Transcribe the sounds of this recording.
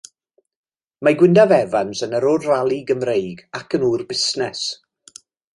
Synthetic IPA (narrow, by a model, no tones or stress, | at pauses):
maɡwɪndavɛvansənəɾʊrralˠiɡəmrejɡakʰənuːrbɪsnɛs